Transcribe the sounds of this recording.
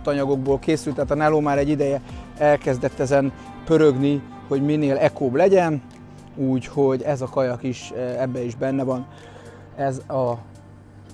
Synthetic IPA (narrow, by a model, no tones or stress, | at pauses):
t̪ɒɲɒɡo̞ɡ̚boːlkeːsylt̪ːɛaːt̪ɒnɛloːmaːɾɛɟːid̪ɛjɛɛlkɛzd̪ɛt̪ːɛzɛn | pø̞ɾø̞ɡni | ho̞ɟmineːlɛkoːblɛɟɛn | uːcho̞ɟɛzɒkɒjɒkiʃɛbːɛiʒbɛnːɛvɒn | ɛzɒ